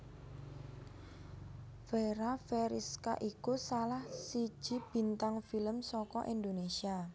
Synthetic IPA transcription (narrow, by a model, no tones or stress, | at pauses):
feɾafeɾiska̰ʔikusalahsi̥ʒ̥i̤b̥i̤nt̪aŋfiləmsɔkɔ̰ʔind̪onesia